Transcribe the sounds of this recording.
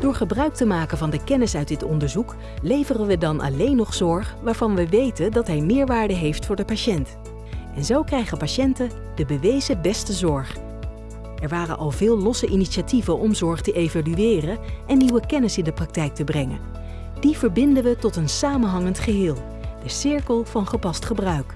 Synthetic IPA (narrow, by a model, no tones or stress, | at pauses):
d̥ʊːɹχəbrœɥk̚təmaːkənvɑndəkɛnɪsœɥdɪtɔndəɹzuk | lejvərənʋədɑnʔɑ̰lejnɔχz̥ɔɹχʋaːɹvɑnʋəʋejtəndɑtɦɛjmɪːɹʋaːɹdəɦejftfʊːɹdəpaʃɛnt | ʔɛnzowkrɛjχəpaʃɛntə | d̥əbəʋejzəbɛstəzɔɹχ | ʔɛɹʋaːrə̰nʔɑlˠvɪːlˠlɔsəʔiniʃativənʔɔmzɔɹχtəʔejvalyɪːrənʔɛnːiwəkɛnəsɪndəprɑk̚tɛjk̚təbrɛŋə̰n | d̥iv̥əɹbɪndənʋətɔtənsaːmənɦɑŋəntχəɦɪːlˠ | d̥əsɪɹkəlˠvɑnχəpɑstχəbrœɥk